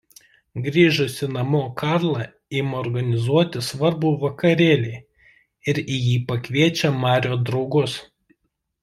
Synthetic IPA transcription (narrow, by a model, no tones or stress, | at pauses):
ɡɾʲiːʒʊsʲɪnɐmoːkɑˑɾlˠɐ | imɔɾɡɐnʲɪzuɔt̪ʲɪsʋɐɾbuːʋɐkɐɾʲeːlʲɛ | ɪɾijiːpɐkʋʲiɛt͡ʃʲɛmɑːɾʲoːd̪ɾɒʊɡʊs